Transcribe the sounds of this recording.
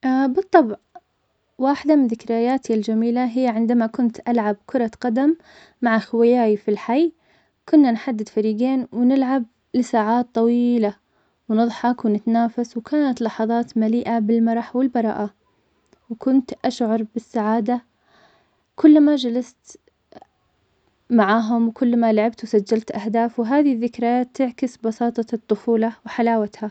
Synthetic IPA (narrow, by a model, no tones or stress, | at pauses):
ʔabɨt̪ˤːɑbʕ | waːħɪd̪amɪnðɪkɾajaːt̪ʰiald͡ʒamiːlaɦɪjːʕɪnd̪amakʊnt̪ʔalʕab̚kʰʊɾˤɑqɑd̪amː | aʕaxwajaːjfilħaj | kʊnːanħad̪ːɪd̪faɾiːɡeːnwnɪlʕab̚ | lɪsaːʕaːt̪ˤːɑwiːla | wnɨðˤħɑkwnɪt̪anaːfaswkʰaːnat̪lɑħɑðˤɑːt̪maliːʔabɪlmɑɾˤɑħwɪlbɑɾˤɑ̰ːʔa | wkʊnt̪ʔaʃʕɑɾˤbɪsːaʕaːd̪a | kʊlːmad͡ʒalast̪ | maʕaːɦʊmwkʊlːmalaʕɪbt̪wsad͡ʒːalt̪ʔahd̪aːfwɦaːðiðːɪkɾˤɑt̪ɪʕkɪsbɑsɑːt̪ˤɑt̪ˤːʊfuːlɑwħalaːwat̪ha